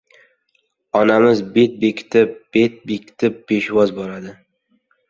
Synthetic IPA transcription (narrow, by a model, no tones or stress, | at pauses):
ɒnamɪzbe̞t̪̚be̞kʲʰɪ̥t̪ʰɪp̚b̥e̞t̪̚bekʲɪ̥t̪ʰɪpːe̞ʃwɒzbɒɾad̪ɪ